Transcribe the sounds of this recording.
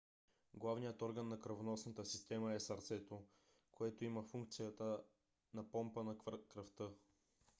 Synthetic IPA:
ɡlˠavnijət̪ɔɾɡənːɐkɾɐvonɔsnət̪əsist̪ɛməɛsɐɾt̪sɛt̪o | koɛt̪oiməfuŋk̚t̪sijət̪ə | nɐpɔmpənɐkɾɐft̪ɤ

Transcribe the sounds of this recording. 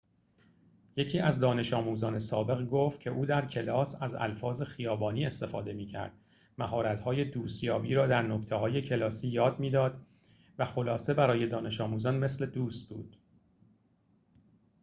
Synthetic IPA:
je̞cʰiːæzd̪ɒːne̞ʃɒːmuːzɒːne̞sɒːbe̞ɣɡoːft̪̚cʰe̞ʔuːd̪æɾcʰe̞lɒːsæzæ̰lfɒːze̞xijɒːbɒːniːe̞st̪e̞fɒːd̪e̞miːcʰæ̰ɾd̪̥ | mæɦɒːɾæt̪hɒːje̞d̪uːst̪jɒːbiːɾɒːd̪æɾno̞cʰt̪ʰe̞ɦɒːje̞cʰe̞lɒːsiːjɒːd̪miːd̪ɒːd̪ | væxo̞lɒːse̞bæɾɒːje̞d̪ɒːne̞ʃɒːmuːzɒːnme̞sle̞d̪uːst̪̚bṵːd̪̥

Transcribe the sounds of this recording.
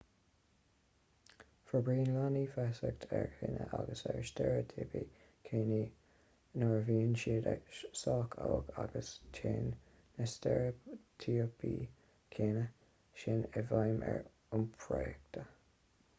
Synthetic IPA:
fəbɹiːnlanifɛsəkt̪ʰɛɹkʰɪ̰nə̰ʔaɡəsɛɹʃtɛɹət̪ʰeːpiː | kʰeːniː | nɔɹviːnʃiːdəʃsɔːkʰawɡaɡəstʰeːnː | ɛstɛɹət̪ʰiːəpʰiː | kʰeːnə | ʃɪnɛvajmɛ̰ɹ | ʊnpʰɹɔɛk̚t̪ʰə

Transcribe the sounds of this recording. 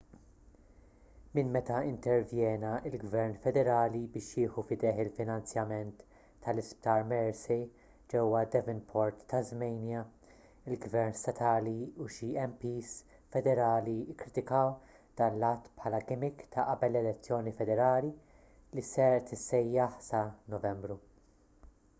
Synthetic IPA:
mɪnmɛt̪ɐɪnt̪ɛɾvjɛːnɐɪlɡvɛɾnfɛd̪ɛɾɐːlibɪːʃjɪːħufɪd̪ɛħɪlfɪnɐnt͡sjɐmɛnt̪ː | ɐlɪsp̚t̪ɐːɾmɛɾsɛ | d͡ʒɛwːɐd̪ɛvɪnpʰɔɾt̪ːɐzmɛjnjɐ | ɪlɡvɛɾnst̪ɐt̪ʰɐːliuʃiɛmpiːs | fɛd̪ɛɾɐːliɪkːɾɪt̪ɪkɐw | d̪̥ɐːnlɐt̪ːpħɐːlɐɡɪmɪkt̪ʰɐʔɐbɛlːɛlɛt͡sːjɔːnifɛd̪ɛɾɐːli | lisɛɾt̪ɪsːɛjːɐħsɐnɔvɛmbɾu

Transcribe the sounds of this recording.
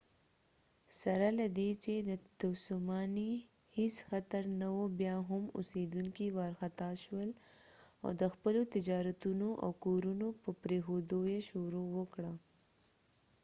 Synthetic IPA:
saɾalad̪et͡ʃed̪ət̪awsumɑni | hɪsxat̪aɾnawobjɑɦʊmʊ̰sed̪uŋkiwɑɾxat̪ɑʃwəl | a̰wd̪əxpəlot̪ɪd͡ʒɑɾat̪unoʔa̰wkoɾunopəpɾexod̪ojeʃoɾowəkɽa

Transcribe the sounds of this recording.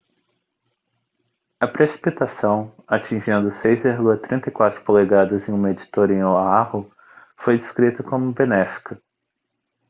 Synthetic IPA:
ɐpɾesi̥pit̪asɐ̃w̃at͡ʃĩʒẽnd̪ʊsejzeɾɡuɐt̪ɾĩnt̪ɐjkwat̪ɾʊ̥koleɡad̪ɐzẽj̃ũmɐed͡ʒit̪oɾẽj̃oahʊ | fojd̪ɪskɾit̪ɐkõmʊbenɛfi̥kɐ

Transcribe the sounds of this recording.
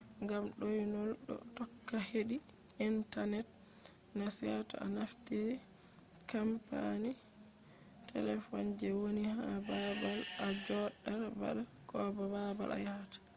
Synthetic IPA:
ŋɡamɗɔjnɔlɗɔ̰tɔkːaheɗi | ʔintanɛt̚ | nasiatɔ̰a̰naftiɾɛ | kampani | tʰɛ̰lɛfɔnd͡ʒɛwonihababal | ad͡ʒɔɗaɾba̰ɗa | kɔbababa̰lʔa̰jatḁ

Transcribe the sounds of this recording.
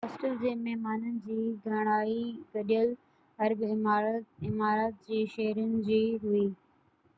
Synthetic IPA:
ɦaːsʈəld͡ʑeːmɛɦmaːnənɪ̆d͡ʑiːɡʱɐɽ̃aːiɡɐɗijəl | ɐɾbɪɪmaːɾaːt̪̚d͡ʑeːʃeɦɾʊnɪ̆d͡ʑiːɦʊiː

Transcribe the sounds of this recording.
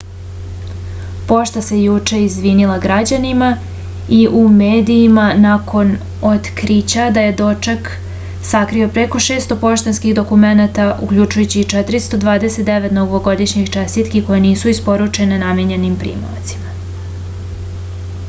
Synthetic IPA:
po̞ʃt̪ase̞jut͡ʃe̞izʋinilaɡɾad͡ʑanima | iʔumeːd̪iːmanakʰo̞n | ot̪kɾit͡ɕad̪aje̞d̪o̞t͡ʃek | sakɾio̞pɾe̞ko̞ʃe̞ːst̪o̞po̞ʃt̪enskiɣd̪o̞kume̞nat̪aʔṵkʎut͡ʃujut͡ɕit͡ʃet̪ɾist̪o̞d̪ʋaːd̪e̞set̪̚d̪e̞ʋet̪noɡʋoɡo̞d̪iʃɲixt͡ʃest̪it̪kiko̞jeniːsuispo̞ɾut͡ʃe̞nenamjeɲe̞nimpɾḭːmo̰t̪si̥ma

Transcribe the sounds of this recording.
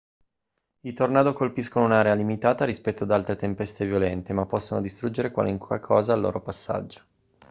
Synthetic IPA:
it̪ornaːd̪okolpiskonounaɾealimit̪aːt̪aɾispɛt̪ːoad̪alt̪ɾet̪empɛst̪evjolɛnt̪emapːɔsːonod̪ist̪ɾud͡ʒːeɾekwa̰luŋka̰kʰɔːzaːlːo̰ːɾʔopasːa̰d͡ʒːo̥

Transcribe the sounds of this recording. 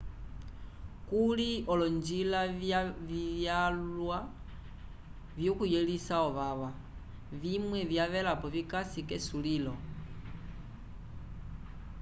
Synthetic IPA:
kuliɔlɔnd͡ʒilajaijalwa | vjokujelisaɔβaβa | βimwɛvjaβɛlapɔβikasikɛsulilɔ

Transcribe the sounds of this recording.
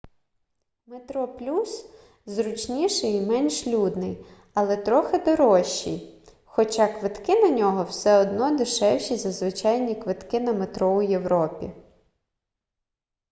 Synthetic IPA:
met̪ɾɔplʲus | zɾʊt͡ʃnʲiʃɛjimɛnʲʃlʲud̪nɪj | ɐlˠɛt̪ɾɔxɪd̪ɔɾɔʃːḭj | xɔt͡ʃɑkʋɪt̪kɪnɐnʲɔɦɔwsɛɔd̪nɔd̪ɪʃɛwʃizɐzʋɪt͡ʃɑjnʲikʋɪt̪kɪnɐmet̪ɾɔʊjewɾɔpʲḭ

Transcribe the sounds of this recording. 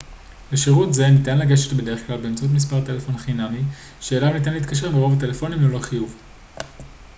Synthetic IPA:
beʃiʁutze̞nitanlaɡeʃetbe̞d̪e̞ʁeχklalbeːmt͡saut̪̬mis̬paʁt̪e̞lefo̞nχinami | ʃe̞ːlamnit̬anleːtkaʃ̬e̞ʁmeʁo̞vat̬e̞lefo̞nimloloχijuv

